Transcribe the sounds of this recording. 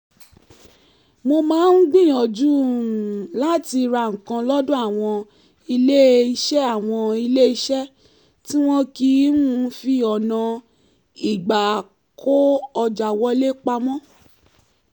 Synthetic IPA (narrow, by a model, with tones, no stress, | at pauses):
mo˧mãː˨˦n̩˦ɡ͡bĩ˦˨ɔ˨d͡ʒu˦˨ | la˦ti˧ɾa˧˨ŋ̩˨kã˧lɔ˦dõ˦a˦˨w̃ɔ̃˧ | i˧le˦i˧ʃɛ˦a˦˨w̃ɔ̃˧i˧le˦i˧ʃɛ˦ | tĩ˦w̃ɔ̃˦ki˧˦ũ˦fi˧ɔ˨nã˨ | i˨ɡ͡ba˨ | kʰo˦ɔ˧d͡ʒa˨wɔ˦le˦k͡pa˧mɔ̃˦